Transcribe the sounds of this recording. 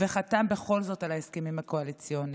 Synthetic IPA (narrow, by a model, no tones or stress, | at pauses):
veχatambeχo̞lzo̞talaeskemimhako̞alit͡sjo̞n